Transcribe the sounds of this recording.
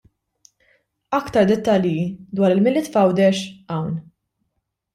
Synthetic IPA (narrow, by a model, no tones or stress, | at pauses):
ɐkt̪ɐɾd̪ɛt̪ːɐljid̪wɐːɾɪlmɪlɪːt̪fɐwd̪ɛʃɐwn